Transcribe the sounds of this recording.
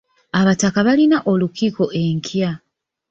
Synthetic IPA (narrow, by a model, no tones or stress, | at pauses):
aβatakaβalinaʔo̞lukiko̞ʔe̞ŋkʰja